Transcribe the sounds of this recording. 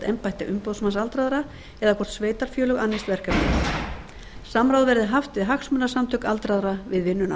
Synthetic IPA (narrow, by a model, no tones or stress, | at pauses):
t̪ɛmpajht̪ɪʔʏmpowðsmansalt̪ɾaðɾa | ɛðakʰɔr̥t̪sveːjt̪aɾ̥fjœːlʏɣanːest̪vɛr̥kapɪ̰ | samɾawðvɛɾðɪɦaft̪ɪðɦaksmœnḁsamt̪ʰœkalt̪ɾaðɾavɪðvɪnːʏna̰